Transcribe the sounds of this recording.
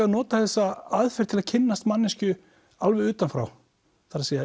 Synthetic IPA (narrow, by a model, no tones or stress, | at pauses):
aðnɔːt̪aθɛsːaaðfɛɾ̥t̪ʰɪlaðcʰɪnːast̪manːɪscʏ | alvɛʏːt̪anfɾa̰w | θaɾaseːja